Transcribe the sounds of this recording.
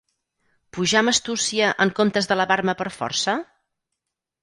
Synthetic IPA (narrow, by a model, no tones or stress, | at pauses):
puʒaməst̪usiəʔəŋkomt̪əzðələβaɾməpəɾfɔ̰ɾsə